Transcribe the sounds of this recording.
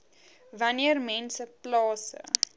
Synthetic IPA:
vɐniərmɛnsəplɑːsə̰

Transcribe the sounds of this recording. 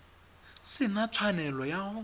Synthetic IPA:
sɪnat͡sʰwanɛlɔja

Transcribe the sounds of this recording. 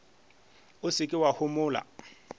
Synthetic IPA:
ʊsɪkʼɪwahʊmʊːla̰

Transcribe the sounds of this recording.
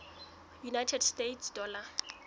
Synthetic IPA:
junajtʰɛdstetʰsdɔːla

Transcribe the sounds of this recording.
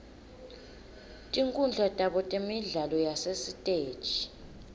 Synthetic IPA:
tʼiŋkʼund͡ɮʱatʼaɓɔtʼemiɮalɔjasesitʼeːd̥ʒ̥ʱi̥

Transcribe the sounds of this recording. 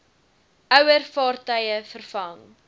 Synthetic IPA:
œwərfɑːrtœjəfərfɐŋ

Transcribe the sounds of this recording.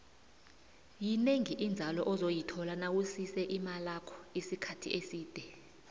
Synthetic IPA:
jineŋiʔind͡zʱalɔʔɔzojitʰɔlanawusisɛʔimalakʰɔ̥isikʰatʰḭʔesiːd̥ʱɛ

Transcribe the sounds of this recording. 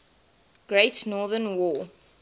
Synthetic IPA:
ɡ̥ɹeɪtnɔðənwɔː

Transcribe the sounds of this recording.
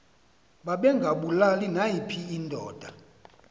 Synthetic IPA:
ɓaɓɛŋɡʱaɓulalinajipʰiːndʱɔːd̥ʱa

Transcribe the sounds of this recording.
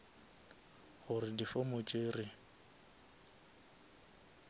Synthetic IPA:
ɣʊrɪdifomʊt͡ʃʼeːrɪ

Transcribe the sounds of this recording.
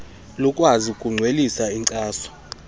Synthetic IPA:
lɔkʼwazikʼuŋ͡ǀʱwelisaiŋǀʼaːsɔ̥

